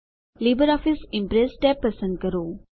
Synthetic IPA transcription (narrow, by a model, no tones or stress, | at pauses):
liːbəɾɔːfɪsɪ̃mpɾesʈɛpːəsə̃ɳɖ̚kəɾoː